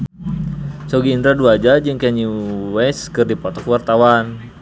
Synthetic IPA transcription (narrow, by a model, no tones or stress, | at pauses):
sɔɡiːnd̪ɾaduad͡ʒad͡ʒɨŋkɛɲiwɛskɨrdipɔt̪ɔkuwart̪awan